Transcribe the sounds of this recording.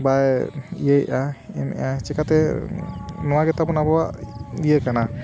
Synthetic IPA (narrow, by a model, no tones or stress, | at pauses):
bajḭjəjʔaɛ̰mɛ̰ʔat͡ʃɛkat̪ɛ | nɔwaɡɛt̪abɔnabɔwaʔijəkana